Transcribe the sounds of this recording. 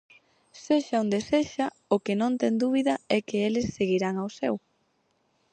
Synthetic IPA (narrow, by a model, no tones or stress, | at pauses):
seʃaond̪eseʃa | ʊkenõnt̪ɛŋd̪uβiðɐɛkɪelɪsːeɣiɾaŋawsɛ̰w